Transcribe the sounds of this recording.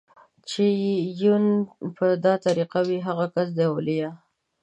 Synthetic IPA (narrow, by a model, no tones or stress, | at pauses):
t͡ʃejunpəd̪ɑt̪aɾiqawiɦaɣakas̬d̪ewlija